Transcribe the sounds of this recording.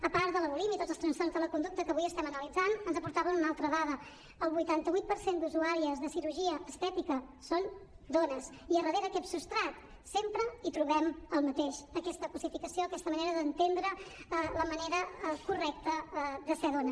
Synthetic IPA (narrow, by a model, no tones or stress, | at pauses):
əpaɾdələβulimit̪od͡zzlˠst̪ɾənsfɔrnzðələkund̪uk̚t̪əkəβujəst̪ɛmənəlid͡zanənzəpuɾt̪aβənunalˠt̪ɾəðaðə | əlˠβujt̪ant̪əβuit̪̚pəɾsend̪uzuaɾiəzðəsiɾuʒiəʔːst̪ɛt̪ikə | son | d̪onəs | iərəðeɾəkɛpsust̪ɾat̪ | sempɾəit̪ɾuβɛməlˠmət̪eʃəkɛst̪əkəsifikəsioəkɛst̪əməneɾəðənt̪end̪ɾəələməneɾəkurɛk̚t̪əd̪əseðonə